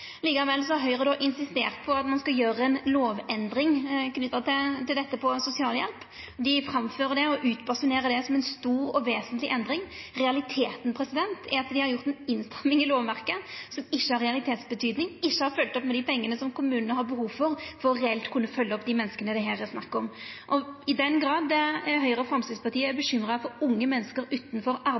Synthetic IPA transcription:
liːkɑʋɛlːsɔɦœʏʁəd̪ɔʔɪnsɪst̪eːʁt̪̚pʰɔɑt̪mɑnskɑljøːɾəɛnloːʋɛnd̪ɾɪŋknʏt̪ːət̪ɪt̪ɪld̪ɛt̪ːəpʰɔsʊsɪɑːljɛ̰lp | d̪ɪfɾɑmføːʁəd̪ɛɔʔʉːt̪bɑsʊneːɾəd̪ɛsɔmɛnst̪uːɾɔʋeːsənt̪lɪʔɛnd̪ɾɪŋʁɛɑlɪt̪ʰeːt̪n̩pʰɾɛsɪd̪ɛnt̪ʰɛɾɑt̪d̪ɪhɑɾjʊʁt̪ɛnɪnst̪ɛmːɪŋɪloːʋæɾkəsɔmɪɕːəhɑɾʁɛɑlɪt̪ʰeːt̪sbət̪ʰyːd̪nɪŋɪɕːəhɑɾfœlt̪ɔpmɛd̪ɪpʰɛŋːənəsɔmkʰʊmʉːnənəhɑɾbəhuːʋfɔɾfɔɾɔɾɛɛlt̪kʰʉnːəfœlːəɔpd̪imɛnːəskənəd̪ɛɦæːɾɛsnɑkːɔmʔɔɪd̪ɛnɡɾɑːd̪ːɛɦœʏʁəfɾɑmst̪ɪspɑɾt̪ʰiːəæɾbəɕʏmɾəfɔɾʊŋːəmɛnːəskəɾʉːt̪n̩fɔɾɑɾ

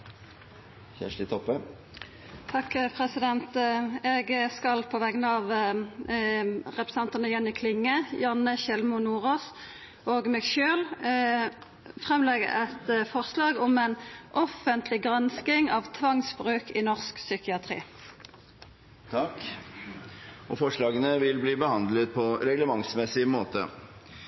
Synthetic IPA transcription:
çæ̰ʂɪt̪ʰɔpːə | t̪ʰɑkpʰʁɛsɪd̪ɛnt̪ɛɡskɑlpʰɔʋɛɡnəɑːʋ | ʁɛpɾɛsɑnt̪ənəjɛnːɪkʰlɪŋːəjɑnəʃɛlmʊnuːʁoːs | oːɡmɛːɡʃøːl | fʁɛmlɛɡə̰ʔɛt̪fɔʁslɑːɡɔmɛnʔɔfənt̪ʰlɪɡʁɑnskɪŋɑːʋt̪ʰʋɑŋsbʁʉːkɪnɔʁsksʏkɪɑt̪ʰʁḭː | t̪ʰ | ɔfɔʂɭɑːɡənəʋɪlbliːbəhɑnd̪lət̪̚pʰɔɾɛɡləmɑŋsmɛsɪmoːt̪ə̰

